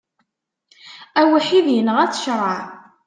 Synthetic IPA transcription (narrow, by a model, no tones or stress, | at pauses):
æwiħiðjənəʁæt͡sə̥ʃɾˤɑʕ